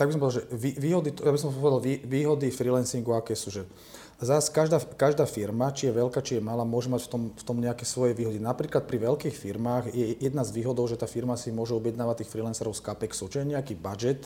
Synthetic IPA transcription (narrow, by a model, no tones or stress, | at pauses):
t̪aɡbisɔmpɔɛdalʒɛʋiʋiːɦɔd̪it̪jabis̬ɔmpɔʋɛd̪alʋiːʋiːɦɔd̪ifɾilɛnsiŋɡuakɛːsuːʒɛ | zaskaʒd̪akaʒd̪aːfiɾmat͡ʃijɛʋɛlkaːt͡ʃijɛmalaːmʊɔʒɛmacft̪ɔmft̪ɔmɲɛakɛːsʋɔjɛʋiːɦɔd̪inapɾiːklat̪̚pɾiʋɛlkiːxfiɾmaːɣjɛjɛd̪nazʋiːɦɔd̪ɔʊʒɛt̪aːfiɾmasimʊɔʒɛɔbjɛd̪naːʋat̪ːiːxfɾilɛnsɛɾɔʊskapɛksɔt͡ʃijɛɲɛakiːbad͡ʒɛt̪